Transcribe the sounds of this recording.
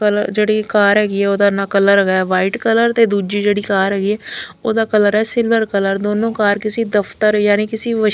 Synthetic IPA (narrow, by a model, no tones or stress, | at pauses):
əd͡ʒeːɽiːkaːɾɦɛːɡiːɛːoːd̪aːnaːkələɾɡaːʋaːiːʈkələɾt̪eːd̪uːd͡ʒiːd͡ʒeːɽiːkaːɾɦɛːɡiːɛːoːd̪aːkələɾɛːsɪlʋəɾkələɾd̪oːnõːkaːɾkɪsiːd̪əpʰt̪əɾjaːniːkɪsiːʋə